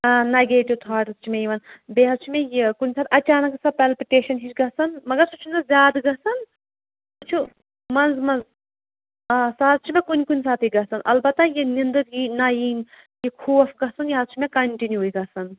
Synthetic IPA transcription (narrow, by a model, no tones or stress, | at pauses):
neɡeːʈiʋt̪ʰaːʈ̪t͡ʃʰimejiʋɐnbeːɦɐzt͡ʃʰimejekunʲsaːt̪ʰɐt͡ʃaːnɐksɐpelpiʈeːʃɐnɦit͡ʃʰɡɐsɐnmɐɡɐɾsut͡ʃʰunɐzʲjaːd̪ɡɐsɐn | sut͡ʃʰu | mɐnzmɐnz | saːt̪̚t͡ʃʰimẽkunʲkunʲsaːt̪ʰiɡɐsɐnʔɐ̰lbɐt̪ːajinind̪ɨɾɡiːnɐjiːn | jikʰuːfɡɐsɐnjiɦɐt̪t͡ʃʰimẽkɐɳʈinjuːjɡɐsɐn